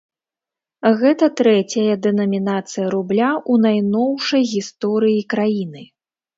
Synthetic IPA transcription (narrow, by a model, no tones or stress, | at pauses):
ɣɛt̪ɐt̪ɾɛt͡sʲɐjɐd̪ɛnɐmʲinat̪sɨjɐɾublʲaʔunajnɔwʂɐjɣʲist̪ɔɾɨjikɾajinɨ